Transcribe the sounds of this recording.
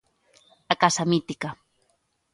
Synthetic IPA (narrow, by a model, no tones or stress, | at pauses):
akasamit̪ika